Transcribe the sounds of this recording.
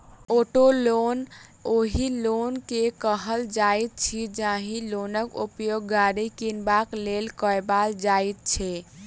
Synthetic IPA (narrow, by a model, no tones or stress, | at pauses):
oʈolonoɦilonkekəɦəld͡ʒajt̪̚t͡ʃʰid͡ʒaɦĩlonəkupjoɡːaɽikinbaklelkəbald͡ʒajt̪̚t͡ʃʰɛ